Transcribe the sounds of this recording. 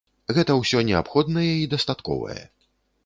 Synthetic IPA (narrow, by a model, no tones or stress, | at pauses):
ɣɛt̪ɐwsʲɔnʲɛa̰pxɔd̪nɐjɛid̪ɐst̪at̪kɔ̰vɐ̰jɛ̰